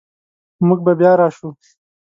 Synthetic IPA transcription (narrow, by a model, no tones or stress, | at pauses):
mʊɡ̚babjɑːɾɑːʃu